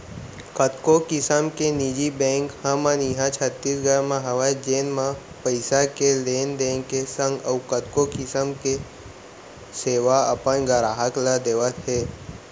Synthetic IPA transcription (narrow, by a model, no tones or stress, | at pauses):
kət̪kokɪsəmkenid͡ʒibɛ̃ːŋkhəməniɦãt͡ʃʰət̪ːisɡəɾmãɦəʋad͡ʒeːnmã | pəɪsakeleːnd̪ẽːŋkesə̃ŋɡəwkət̪kokɪsəmke | seːʋaəpənɡəɾaːɦəklad̪eːʋət̪ɦeː